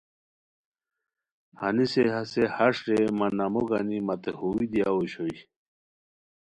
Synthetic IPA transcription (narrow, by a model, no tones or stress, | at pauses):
haniseɦasehaʂɾemanːamoɡanimat̪ehuwid̪ijauɕoj